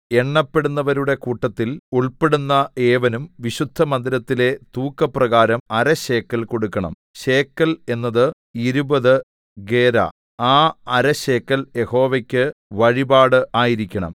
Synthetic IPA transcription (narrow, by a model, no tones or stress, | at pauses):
e̞ɳːɐpːe̞ɽunːɐʋɐɾuɽe̞kuːʈːɐt̪ːiluɭpeɽunːɐe̞ːʋɐnumʋiɕud̪ʱːɐmɐnd̪iɾɐt̪ːile̞t̪uːkːɐprɐɣaːɾɐmɐɾɐɕe̞ːkːɐlko̞ɽukːɐɳɐ̰m | ɕeːkːɐle̞nːɐðɨ | iɾubɐðɨ | ɡeːɾɐ̰ | aːɐɾɐɕe̞ːkːɐlje̞ho̞ːʋɐkʲːɨʋɐɻibaːɽɨʔaːjiɾikʲːɐɳɐ̰m